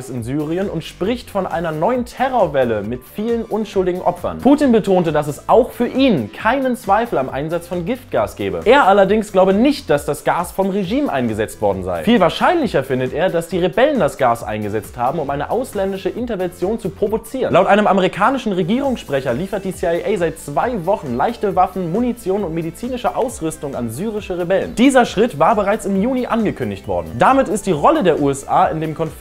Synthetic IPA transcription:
sɪnzyːʁiənʊntʃpʁ̥ɪçtfɔnʔa̰ɪnɐnɔʏəntʰɛʁoːɐvɛləmɪtfiːlənʔʊnʃʊldɪɡŋ̩ʔɔpfɐ̰npʰuːtinbətʰoːntədasɛsʔaʊxfyːɐʔiːnkʰaɪnənt͡sv̥aɪfl̩amʔa̰ɪnzat͡sfɔnɡɪft̚ɡ̥aːsɡ̥ɛ̰ːbə̰ʔeːɐʔalɐdɪŋsɡ̥laʊbənɪçt̚d̥asd̥asɡ̥aːsfɔmʁeʒiːmʔa̰ɪnɡəzɛt͡stv̥ɔɐdn̩za̰ɪfiːlvaːɐʃaɪnlɪçɐfɪndəteːɐdasd̥iːʁebɛləndasɡ̥aːsʔa̰ɪnɡəzɛt͡sthaːbm̩ʊmʔaɪnəʔaʊslɛndɪʃəʔɪntɐvɛnt͡sjoːnt͡supʁ̥ovot͡siːʁənlaʊtʔaɪnəmʔameʁikʰaːnɪʃn̩ʁeɡiːʁ̞ʊŋsʃpʁ̥ɛçɐliːfɐt̚d̥iːsiaɪʔɛɪzaɪt̚t͡sv̥aɪvɔχn̩laɪçtəvafn̩munit͡sjoːnʊntmedit͡siːnɪʃəʔaʊsʁʏstʊŋa̰nzyːʁ̞ɪʃəʁebɛlə̰nd̥iːzɐʃʁ̥ɪtvaːɐbəʁaɪt͡sɪmjuːniʔanɡəkʰʏndɪçtv̥ɔ̰ɐdn̩d̥amɪtɪstd̥iːʁɔlədeːɐʔuːɛsʔʔa̰ːɪndeːmkʰɔn

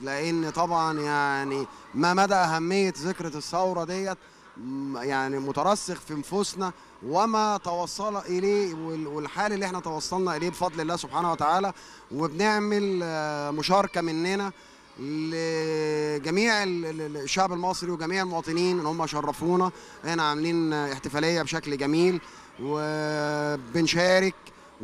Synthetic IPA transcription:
leʔenːt̪ˤɑbʕɑnjaʕni | mæmæd̪æʔæɦæmːejːezekɾɑsːæwɾˤɑd̪ejːæ | jaʕnimot̪æɾˤɑsːexfiʔnfosnæ | wemæt̪ɑwɑsˤːɑlʔeleːwewelħaːlælːiʔeħnæt̪ɑwɑsˤːɑlnɑʔeleːbefɑd̪ˤlelːæːsobħaːnæwæt̪aʕaːlæ | webneʕmelmoʃɑːɾˤɑkæmenːenæ | le | ɡæmiːʕelʃːaʕbelmɑsˤɾiweɡæmiːʕelmowɑːt̪ˤeniːnʔenːhomːæjʃɑrˤːɑfuːnɑ | ʔeħnæʕameliːneħt̪efæːlejːæbeʃæklɡæmiːl | we | benʃæːɾek

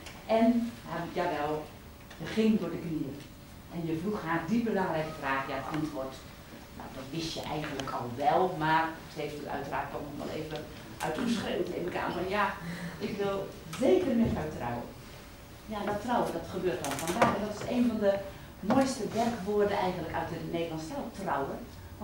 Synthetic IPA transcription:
ʔɛnhajaʋɛlˠ | əχɪŋdʊərdəkniər | ʔɛnjəfruxaːdibəlaŋrɛjkəfraːxjatʔantʋort | no̰wdɔtʋɪsjəʔɛjɣəntləkʰɔlˠʋɛlˠmartheːfdutœ̰ɥtəraːt̚kɔɔʋa̰lˠḛːvə | ʔœ̰ɥtusxreːwtɪ̰nəka̰ːnənjaɪkʋɪlˠ | zeːkərmɪtœɥtra̰wə̰ | jandɔtrawədɔtxəbøːrt̚ɔnfɔndaːxɛdɔtɪ̥seːnvɔndə | mojstəʋɛrkʋoədəɛjɣən̩ləkœɥtəneːdəlˠɑntstɛltrawən

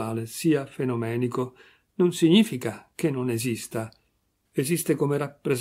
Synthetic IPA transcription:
aːlesiːafenomɛːniko | nonsiɲiːfikak̟enːonezist̪a | ezist̪ekomeɾapːɾez

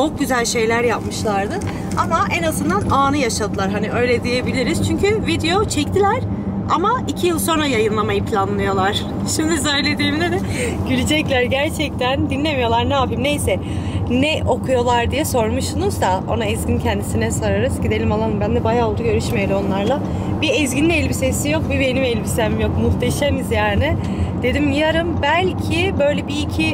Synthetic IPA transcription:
t͡ʃʰo̞k̚ɟyzælʲʃe̞jlʲæɾjapmɯʃlˠaɾd̪ɯ | amaʔɛnazɯnd̪anaːnɯjaʃad̪ɯlˠaɾɦaniʔø̞jlʲɛd̪ije̞bilʲiɾiz̥t͡ʃʰyɲcʰyvid̪e̞jo̞t͡ʃʰɛct̪ʰilʲæɾ̥ | a̰maicʰijɯlˠso̞nɾajajɯnlˠamajɯpʰlʲanlˠɯjo̞lˠaɾ̥ | ʃimd̪is̬ø̞jlʲe̞d̪iːmd̪ɛd̪ɛ | ɟylʲyd͡ʒɛclʲæɾɟæɾt͡ʃʰɛc̚t̪ʰænd̪inlʲe̞mijo̞lˠaɾnaːpʰimne̞jsɛ | nɛʔo̞kʰujo̞lˠaɾd̪ijɛso̞ɾmuʃsunuzd̪ao̞̰naɛzɟʲincʰɛnd̪isinɛsaɾaɾɯz̥ɟid̪e̞lʲimalˠanbænd̪ɛbajaːolˠd̪uɡɟø̞ɾyʃmejelʲimo̞nlˠaɾlˠa | biɛzɡɟininɛlʲbisesijo̞k̚bibe̞nimɛlʲbisemjo̞kmuxt̪ʰeʃenizjaːnɪ | d̪e̞d̪imjaɾɯmbælʲcʰibø̞jlʲɛbiːcʰi

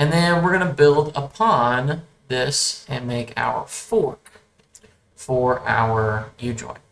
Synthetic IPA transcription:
ɨ̃nðɨ̃nwɪɹɡʌnɨbɪlˠdəpʰɑ̃n | ðɪsɨ̃nmeɪkʰa̰ʊə̰˞fɔɹk | fə˞ʔa̰ʊə˞jɨd͡ʒɔ̰̃ɪ̃n

